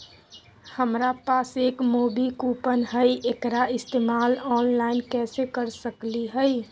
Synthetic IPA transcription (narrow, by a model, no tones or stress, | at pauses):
həmɾapaːseːkmoːbikupənɦəjʔekɾaɪst̪eːmaːlɔːnlaɪnkɛsekəɾsəkliɦəj